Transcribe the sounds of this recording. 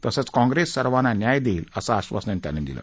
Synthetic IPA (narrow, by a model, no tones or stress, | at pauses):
t̪əsat͡skãŋɡɾesːəɾʋananjajd̪eiləsaːɕʋa̰snənt̪ja̰ned̪ḭla̰